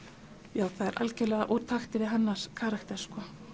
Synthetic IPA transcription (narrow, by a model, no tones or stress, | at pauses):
jaːwθaðɛɾʔa̰lcɪlɛːɣa̰ʔuɾt̪ʰaxt̪ɪvɪðɦanːaɾ̥kʰaːɾaxt̪ɛ̥skɔ